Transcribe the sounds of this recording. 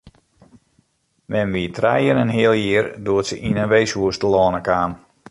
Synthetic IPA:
mɛnʋitʰrɛjənɛnɦɪəlˠjɪərduətsəʔinənʋejsuəstəlɔːnəkaːn

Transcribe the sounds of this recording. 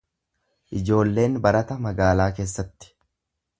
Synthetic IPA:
ʔɪd͡ʒo̞ːlːe̞ːnbɐɾɐt̪ɐmɐɡaːlaːke̞ːsːɐt̪ːɪ̥

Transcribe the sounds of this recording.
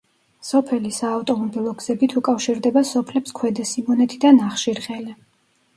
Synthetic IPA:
sɔpʰɛlisaːft̪ʼɔmɔbilˠɔɡz̥ɛbit̪ʰukʼafʃiɾd̪ɛbasɔpʰlɛpskʰwɛd̪ɛsimɔnɛt̪ʼid̪anaχʃiɾʁʼɛlɛ

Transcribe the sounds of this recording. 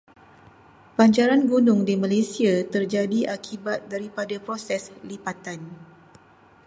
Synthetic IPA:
paɲd͡ʒaɾanɡunʊŋdimãlasiat̪ərd͡ʒadiʔakʰibat̪̚daɾipadapɾosɛslipat̪an

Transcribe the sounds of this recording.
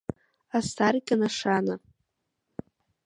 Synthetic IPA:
astʰarkʲʼanaʂana

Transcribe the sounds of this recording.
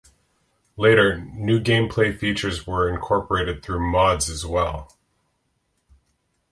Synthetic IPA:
leɪɾə˞nʉɡẽɪ̃mpʰl̥eɪfit͡ʃə˞zwə˞ɨ̃nkʰɔɹpə˞eɪɾɨd̪̚θɹʉmɑdzɨzwɛlˠ

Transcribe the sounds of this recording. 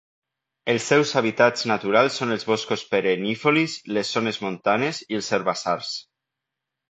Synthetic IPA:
elˠsːɛwzaβ̞it̪ad͡znat̪uɾalˠsːonelˠzβoskospeɾenifolislesːonezmõnt̪anezielˠseɾβasaɾs

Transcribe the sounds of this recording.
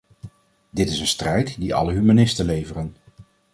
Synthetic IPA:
dɪtɪsənstrɛjtdiʔɑ̰ləɦymanɪstəlejvərən

